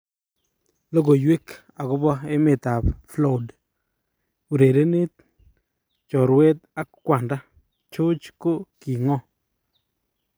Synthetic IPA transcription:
lo˦ɡo˨jwe˦k | a˨kʊ˦bɔ˦e˦me˨ta˨pflo˦˨d | u˨ɾe˨de˦ne˦t̚ | t͡ʃɔ˨ɾwe˦t̚a˦kːwa˨nda˦ | t͡ʃo˦t͡ʃko˦ki˨ŋɔ˦

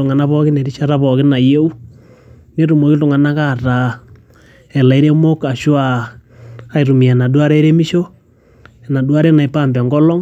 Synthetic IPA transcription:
u˨ŋa˨na˦βɔ˦ki˦ne˨ɾi˦ʃa˦ɾa˦βɔ˨ɣi˦na˨je˦u˦ | ne˦ɾu˨mo˨ki˦tu˨ŋa˨na˦ka˦˨ɾa˨ | ɛ˨la˨i˦ɾe˦mo˦ka˨ʃwa˦˨ | a˨˦i˨ɾu˨mi˨a˨na˨dwa˦ɾe˦ɾe˦mi˦ʃo˦ | ɛ˨na˨dwa˦ɾɛ˦na˨i˨pa˦˨mbɛ˨ŋɡɔ˦lɔ˦

